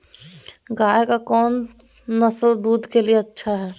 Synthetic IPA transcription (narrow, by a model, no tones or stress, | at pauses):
ɡaːekakɔːnː | ɐsəld̪uːd̪kelieɐtːʃʰaɦɛː